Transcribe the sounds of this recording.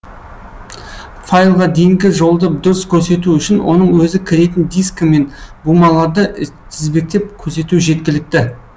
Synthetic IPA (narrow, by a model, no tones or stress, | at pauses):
fajlˠʁɑd̪e̞jɪŋɡʲɪʒo̞lˠd̪ɑp̚d̪ʊɾəskʲʰɵɾse̞t̪̬uʏʃɪnwo̞̰nəɴwɵzɪkʲʰɪɾe̞t̪ɪnd̪ijskme̞nbumɑlˠɑɾd̪əʔʰ | ɪzbe̞k̚t̪e̞p̚kʲʰɵɾs̬e̞t̪uʒe̞t̪̚kʲɪlɪk̚t̪ɪ